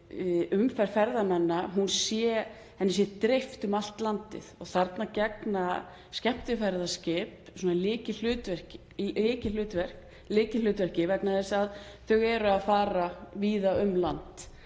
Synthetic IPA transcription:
ʏmfɛɾ̥fɛɾðamɛnːaɦunsjɛ | hɛnːɪs̬jɛt̪ɾejft̪ʏmal̥t̪lant̪ɪ̰ðɔɣθaɾt̪nacɛkna | scɛm̥t̪ɪfɛɾðascɪːpsɔːnalɪːcɪl̥ʏːt̪vɛr̥c | ɪːcɪl̥ʏːt̪vɛr̥k | lɪːcɪlʏːt̪vɛr̥cɪvɛknaθɛsaðθœɣɛɾʏaðfaːɾaviːðaʏmlant̪

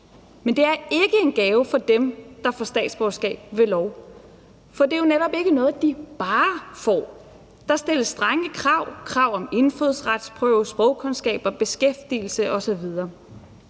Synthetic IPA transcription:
mend̥e̝æɐe̝ɡ̥əe̝nɡ̥ɛːʊfɒ̽d̥emd̥ɑ̈fɒsd̥ɛ̰ːd̥sb̥ɒsɡ̥ɛ̰ːb̥ʋe̝lɒʊ | fɒ̽d̥e̝jo̝neɾɒ̽b̥e̝ɡ̥ənɔ̽ːð̩ˠd̥ib̥ɑ̈ːfɒ̰ː | d̥ɑ̈sd̥el̰əsd̥ʁɑ̈ŋəkʰʁɑ̈ʊ̰kʰʁɑ̈ʊ̰ɒ̽me̝nføðˠsʁad̥spʰʁœʊsb̥ʁɒʊkʰo̽nsɡ̥ɛ̰ːb̥ɐb̥e̝sɡ̥efd̥il̩səʔɒ̽sɒ̽ʋið̞ˠɐː

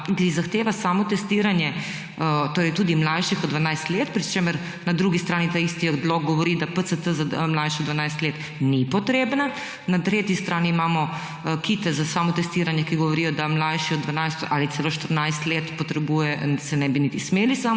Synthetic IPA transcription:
kizaxt̪eːʋasamɔt̪ɛst̪iɾanjɛ | t̪oːɾɛjt̪uːd̪imlajʃixɔd̪d̪ːʋanajst̪leːt̪pɾit͡ʃeməɾ | nad̪ɾuːɡist̪ɾaːnit̪aist̪iɔd̪loɡɡɔʋɔɾid̪apəsət̪əzaəmlajʃɛɔd̪ʋanajst̪leːt̪ | nipɔt̪ɾeːbna | nat̪ɾeːt̪jist̪ɾaːniimaːmɔ | kit̪ɛzasaːmɔt̪ɛst̪iːɾanjɛkiɡɔʋɔɾiːjɔd̪amlajʃiɔd̪d̪ʋanajst̪ʔalit̪seloʃt̪əɾnajst̪leːt̪pɔt̪ɾɛbujɛsɛnɛbinit̪ismeːlisaːm

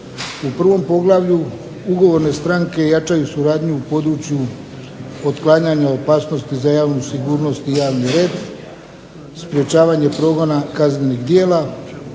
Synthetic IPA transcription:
upr̩ʋo̞mpo̞ɡlˠaʋʎu | uɡo̞ʋo̞ɾne̞st̪ɾaŋke̞jat͡ʃajusuɾaːd̪ɲuːpo̞d̪ɾut͡ʃju | ot̪klˠaɲaɲaopaːsno̞st̪izajaːʋnusiɡuːɾno̞st̪ijaːʋniɾe̞ːd̪ | spɾje̞t͡ʃaːʋaɲe̞pɾo̞ːɡo̞nakazneniɣd̪je̞ːla

